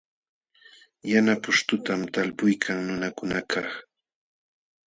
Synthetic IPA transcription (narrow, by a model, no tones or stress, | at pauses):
janapʊʃt̪ʊt̪amt̪alpʊjkʰaŋnʊnakʊnakʰaχ